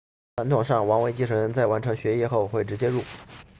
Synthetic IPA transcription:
ʈ͡ʂʰwa˧˥nt̪ʰʊ˨˩ŋʂɑ˥˩ŋwɑ˧˥ŋwe˧˥ɪt͡ɕi˥˩ʂʰɤ˧˥ɻə˧˥nt͡sa˥˩ɪwa˧˥nʈ͡ʂʰɤ˧˥ŋɕɥɛ˧˥jɛ˥xo˥˩˧ʊxwe˥˩ɪʈ͡ʂɻ̩˧˥t͡ɕjɛ˥ɻu˥˩

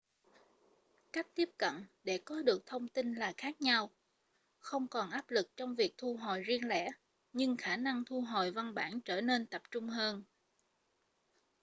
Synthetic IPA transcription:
ka˦˥jk̟̚t̪i˦˥əp̚kə̰˧˨nɗe˧˩kɔ˨˦ɗɨ˨˩ək̚t̪ʰə˧wŋ͡mt̪i˧nlaː˨˩xaː˦˥k̚ɲa˧w | xə˧wŋ͡mkɔ˨˩nʔaː˦˥p̚lɨ˨˩k̚t͡ɕɔ˧wŋ͡mvi˨˩ək̚t̪ʰu˧ɦo̰˨jzi˧əŋlɛ̰˧˥ | ɲɨ˧ŋxaː˧˩na˧ŋt̪ʰu˧ɦo̰˨˧˨jva˧nɓaː˧˩nt͡ɕəː˧˩ne˧nt̪ə˨˩p̚t͡ɕʊ˧ŋ͡mɦəː˧n

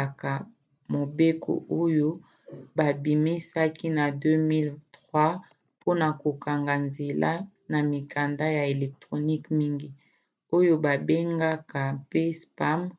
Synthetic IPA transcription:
ka˨ | mo˨be˦kʰo̰˨ʔo˦jo˦ | ba˨bi˨mi˦sa˦ki˦na˨dø˦mi˦ltʁwa˦ | pʰo˦na˨ko˨ka˨ŋɡa˨nze˨la˦ | na˨mi˨ka˨nda˦ja˨e˨lɛ˨k̚tʁo˨ni˦kmi˦ŋɡi˦ | o˦jo˦ba˨be˦ŋɡa˦ka˨pe˦spa˦m

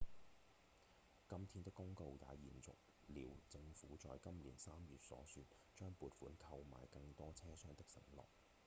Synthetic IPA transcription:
kɐ˥mt̪ʰiː˥˧nt̪ɪ˥kːʊ˥ŋko˧wja̰ː˨˧jiː˨˩nt͡sʊ̰˨k̚ | liː˨˩wt͡sɪ˧ŋfuː˨˥t͡ʃɔː˨˧jkɐ˥mliː˨˩nsaː˥mjyː˨t̚sɔ̰ː˨˥syː˧t | t͡ʃœː˥ŋpuː˨˧t̚fuː˨˥nkʰɐ˧wma̰ː˨˩jkɐ˧ŋt̪ɔː˥t͡sʰɛː˥sœː˥ŋt̪ɪ˥k̚sɪ̰˨˥ŋlɔ̰ː˨˩k̚

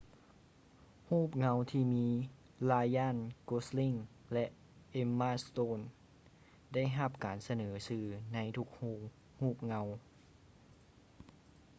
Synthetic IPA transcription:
huː˥˩p̚ŋa˧˥wt̪ʰiː˧˩miː˧˥ | laː˧jaː˥˨nko˧˥sli˧˥˨ŋlɛ˧ʔ | ʔe˧˥mːaː˧˥˨st̪oː˧˥˨n | da˥˩jɦa˧p̚kaː˨˩nsa˧nɤː˩˦sɯː˧˩na˧˥jt̪ʰu˧˥k̚huː˧˩ | huː˥˩p̚ŋa˧˥w

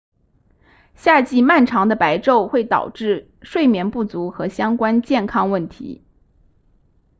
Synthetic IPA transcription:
ɕja˥˧t͡ɕi˥˧ma˥˩nʈ͡ʂʰɑ˧˥ŋd̪ə˧pa˧˥ɪʈ͡ʂo˥˧ʊxwe˥˩ɪt̪ɑ̰˨˩ʊʈ͡ʂɻ̩˥˧ | ʂwe˥˩ɪmjɛ˧˥npu˥˩t͡su˧˥xɤ˧˥ɕjɑ˥ŋkwa˥nt͡ɕjɛ˥˩nkʰɑ˥ŋwə˥˩nt̪ʰḭ˧˥

